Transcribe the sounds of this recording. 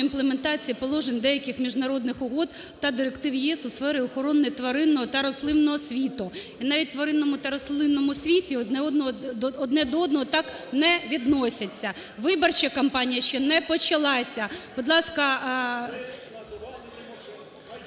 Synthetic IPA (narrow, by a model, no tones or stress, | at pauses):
implˠement̪ɑt͡sʲijipɔlˠɔʒenʲd̪ɛjɐkɪxmʲiʒnɐɾɔd̪nɪxʊɦɔd̪ | t̪ɐd̪ɪɾekt̪ɪʋjɛsʊsfɛɾɪɔxɔɾɔnːɪjt̪ʋɐɾɪnːɔɦɔt̪ɐɾɔslˠɪnnːɔɦɔsʲʋʲit̪ʊ | inɑʋʲit̚ʲt̪ʋɐɾɪnːɔmʊt̪ɐɾɔslˠɪnːɔmʊsʲʋʲitʲiɔnɛɔd̪nɔɦɔɔd̪nɛd̪ɔɔd̪nɔɦɔt̪ɑk | nɛʋʲid̪nɔsʲɐt͡sʲːɐʋɪbɐrt͡ʃɛkɐmpɑnʲijɐʃt͡ʃɔnɛpɔt͡ʃɐlˠɑsʲɐbʊd̪lˠɑskɐ